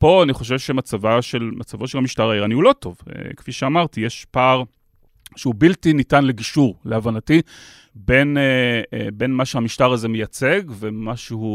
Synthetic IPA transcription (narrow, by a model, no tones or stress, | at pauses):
po̞aniχo̞ʃ̬e̞vʃemat͡savaʃelmat͡savo̞ʃelhamiʃtaʁaiʁaniulo̞to̞vḛkfiʃeamaʁtijeʃpaʁ | ʃeubiltinitanleɡiʃuʁleavanati | be̞nebe̞nmaʃehamiʃtaʁazemejat͡se̞ɡve̞maʃehu